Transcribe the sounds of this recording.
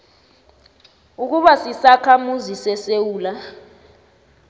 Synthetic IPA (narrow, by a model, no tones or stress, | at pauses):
uk̬uɓasisakʰamuzisɛsewuːla